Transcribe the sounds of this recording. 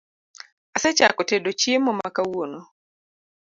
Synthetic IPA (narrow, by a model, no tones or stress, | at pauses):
aset͡ʃa̰kɔtedot͡ʃiemɔmakawono